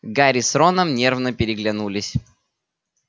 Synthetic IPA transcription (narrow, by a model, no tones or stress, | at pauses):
ɡaɾʲɪsɾonəmnʲe̞rvnəpʲɪɾʲɪɡlʲɪnulʲɪsʲ